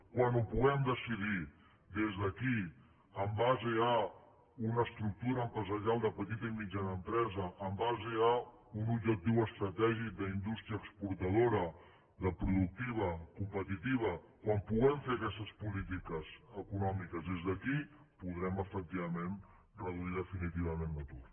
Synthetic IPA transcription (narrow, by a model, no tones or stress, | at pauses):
kwanupuɣɛmd̪əsiði | d̪ezðəki | əmbazeə | unəːst̪ɾuk̚t̪uɾəːmpɾəzəɾialˠd̪əpət̪it̪əimid͡ʒanəmpɾɛzəʔːmbazeə | unubd͡ʒək̚t̪iwəst̪ɾət̪ɛʒik̚d̪əind̪ust̪ɾiəkspuɾt̪əð̞oɾə | ðəpɾuðuk̚t̪iβ̞əkumpət̪it̪iβ̞ə | kwampuɣɛɱfeɐkɛst̪əspulit̪ikəzəkunɔmikəzðezðəki | puðɾɛməfək̚t̪iβəmen | rəð̞uiðəfinit̪iβ̞əmend̪ət̪ut̪